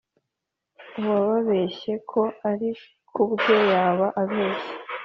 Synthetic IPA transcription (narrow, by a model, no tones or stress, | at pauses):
uwaβaβe̞ʃe̞kʰo̞aɾi | kʰubɟo̞jaːβaʔaβe̞ːʃe̥